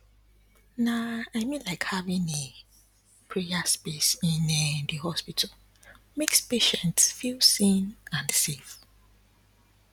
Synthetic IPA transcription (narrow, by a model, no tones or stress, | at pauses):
naaɪmĩnlaɪkhavĩne | pʰɹiaspesĩnɛdɨhɔspitʰəl | mekspeʃɛ̃ntsfilsĩnãnsef